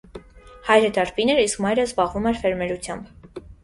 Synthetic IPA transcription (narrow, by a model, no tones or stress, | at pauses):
hɑjɾəd̪ɑɾpinɛɾiskmɑjɾəzbɑʁvumɛɾfɛɾmɛɾut͡sʰjɑmb